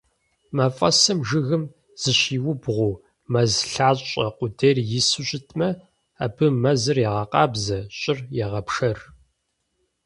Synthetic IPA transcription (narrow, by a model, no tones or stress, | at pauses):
mɐfʼɐsɐmʒɨɣɨm | z̥ɨɕiːwʊbʁʷʊ | mɐzɬaːɕʼɐ̰qʷʊderjɪsɨɕʼɪtʰmɐ | abɨmɐzɨrjɛʁɐqɑ̰ːbzɐɕʼɪrjɛʁɐpʂɐr